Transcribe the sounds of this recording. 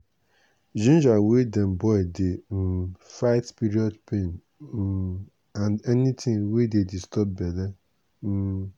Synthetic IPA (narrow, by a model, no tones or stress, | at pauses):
d͡ʒũnd͡ʒawedẽmbɔɪdɪ | faɪtpiɾiɔdpʰẽn̩ | anɛnitʰɪ̃ŋwededistɔp̚bɛda